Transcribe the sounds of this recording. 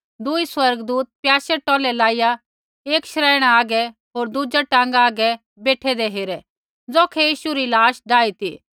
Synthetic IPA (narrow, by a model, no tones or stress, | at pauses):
d̪ʊiswɐɾɡd̪uːt̪̚pjaːsɛʈɔːlɛlaːija | eːkʃɾaːɪɽ̃aaːɡɛɦoːɾd̪ʊd͡ʒaʈãːŋɡaaːɡɛ | beːʈʰɛd̪eɦeːɾɛ | d͡zoːkʰɛjiːʃuɾilaːʃɖaːit̪ʰḭː